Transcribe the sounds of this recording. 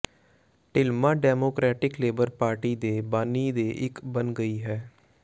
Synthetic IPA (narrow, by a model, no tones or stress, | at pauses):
ʈɪlmãːɖɛːmoːkɾɛːʈɪkleːbəɾpaːɾʈiːd̪eːbaːniːd̪eːʔɪkbənɡəiːɦɛː